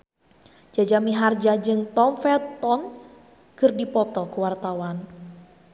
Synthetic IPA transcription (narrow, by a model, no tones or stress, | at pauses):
d͡ʒad͡ʒamiɦard͡ʒad͡ʒɨŋt̪ɔmfɛɔn | kɨrdipɔt̪ɔkəwart̪awan